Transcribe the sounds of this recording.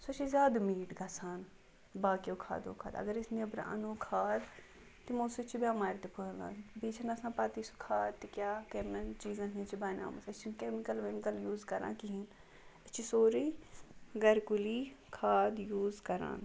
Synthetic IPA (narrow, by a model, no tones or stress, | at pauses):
sot͡ʃʰizjaːd̪miːʈɡɐsaːn | baːkijoːkʰa̰ːd̪o̰ːkʰa̰ːd̪ɐ̰ɡəɾɪsniːɐbɾ̰ʔɐ̰nuːkʰaːd̪ | t̪emõːsut͡ʃʰibʲjaːmaːɾt̪epʰʊɦlã̰ːbiːt͡ʃʰɐnɐsãːpaːt̪iːsu̥kʰaːd̪t̪ekjaːkemɐnt͡ʃiːzãːkĩt͡ʃibaːna̰ːmɐsɐt͡ʃʰikeːmɪkəlmemɪkəljuːzkɐɾã̰ːkiɦin | ɐt͡ʃisoːɾiːɡɐɾkʊliːkʰaːd̪juːzkɐɾã̰ːn